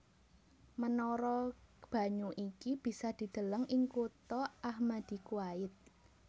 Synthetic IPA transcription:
mənɔɾɔb̥a̤ɲuʔikib̥i̤sad̪̥i̤d̪̥ə̤ləŋɪŋkut̪ɔʔahmad̪̥i̤kuaɪt̪̚

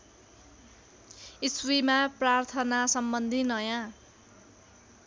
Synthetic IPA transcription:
iswimaprart̪ʰʌnasʌmbʌnd̪ʱinʌjã

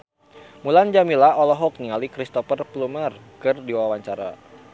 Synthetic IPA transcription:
muland͡ʒamilaʔɔlɔɦɔk̚niŋalikɾist̪ɔfərplumər | kɨrdiwawaɲt͡ʃaɾa̰

